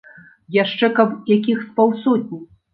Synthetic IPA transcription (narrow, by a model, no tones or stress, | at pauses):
jaʂt͡ʂɛkɐbjakʲixspawsɔt̚ʲnʲiw